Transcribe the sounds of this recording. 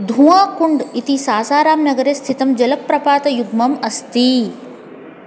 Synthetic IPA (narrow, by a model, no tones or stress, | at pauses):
d̪ʱũːakuɳɖit̪isaːsaːɾaːmnɐɡɐɾeːst̪ʰit̪ɐmd͡ʒɐlɐpːɾɐpaːt̪ɐjuɡmɐmɐst̪i